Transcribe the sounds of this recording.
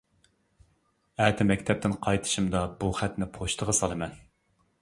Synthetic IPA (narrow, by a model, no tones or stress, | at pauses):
æːt̪ʰɪmɛkʲt̪ʰɛp̚t̪ɪnqʰɑjt̪ʰɨ̥ʃimd̪ɑbuχæt̪nɪpʰoʃt̪ʰəʁəsɑlˠɨmɛn